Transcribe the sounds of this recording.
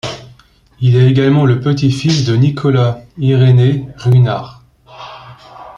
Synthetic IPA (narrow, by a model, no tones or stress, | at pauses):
ilɛeɡalmɑ̃ləpət̪ifisd̪ənikʰɔlaiʁeneʁɥina̰ːʁ